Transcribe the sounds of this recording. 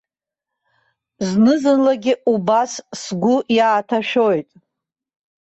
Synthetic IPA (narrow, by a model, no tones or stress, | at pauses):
znɨzɨnlaɡʲɪʔubassɡʷʊjaːtʰaʃᶣo̞jtʼ